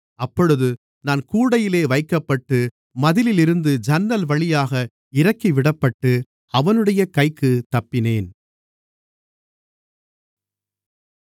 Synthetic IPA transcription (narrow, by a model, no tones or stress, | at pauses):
ɐpːɔɻɯðɯ | naːnkuːɽɐjɪleːʋɐɪkːɐpːɐʈːɯ | mɐðɪlɪlɪɾɯnd̪ɯd͡ʒɐnːɐlʋɐɭɪjaːɣɐ | ɪɾɐkːiʋɪɽɐpːɐʈːɯ | ɐʋɐnɯɽɐjɐkɐɪkːɯt̪ɐpːɪneːn